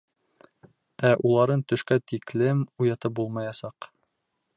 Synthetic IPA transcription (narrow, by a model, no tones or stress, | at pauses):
æʔulˠɑɾɤnt̪ɵ̆ʃkæt̪iklɘmujɑt̪ɤp̚bulˠmɑjɑsɑq